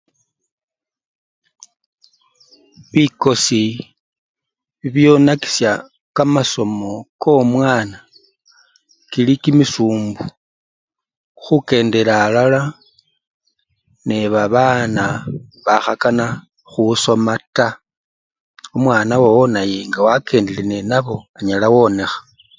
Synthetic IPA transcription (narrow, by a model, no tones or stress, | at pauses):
βiko̞si | βiβjo̞naki̥sja | kamaso̞mo̞komwaːna | kilikimisuːmbu | xuke̞ːnde̞ɾaːlala | neβaβaːnaβaxakana | xuso̞mata | omwaːnawowonajeŋɡawake̞ːndelenenaβo̞aɲalawo̞ne̞xḁ